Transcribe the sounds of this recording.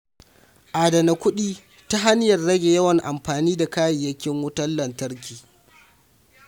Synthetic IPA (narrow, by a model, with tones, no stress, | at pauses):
ʔaː˨dɐ˨na˨kʷʊ˦ɗiː˦ | ta˦ɦa˦n˦jɐ˨rɽɐ˦ɡʲe˨jɐ˦wɐ˨ŋʔa˨mɸaː˨niː˦da˨kaː˦jɪ˨jːɐ˦kʲːɪ˦ŋwʊ˦tɐ˦lːɐ˨ntɐ˦ɾkʲiː˨